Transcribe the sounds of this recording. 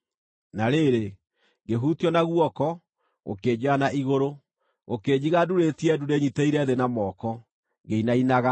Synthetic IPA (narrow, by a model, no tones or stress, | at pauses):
naɾeɾe | ɡeɦutjɔnaɣwɔkɔ | ɣo̰ked͡ʑeanaiɣoɾo | ɣoked͡ʑiɣaduɾetiɛdudeɲiteiɾɛðenamɔːkɔ | ŋɡeinainaɣa